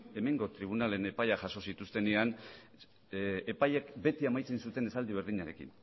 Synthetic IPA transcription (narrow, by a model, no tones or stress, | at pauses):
e̞me̞ŋɡo̞t̪ɾiβ̞unale̞ne̞pajaʝaso̞sit̪ust̪e̞ne̞an | epajekbe̞t̪iamajt͡sensut̪e̞ne̞sald̪iβ̞e̞ɾð̞iɲaɾe̞kḭn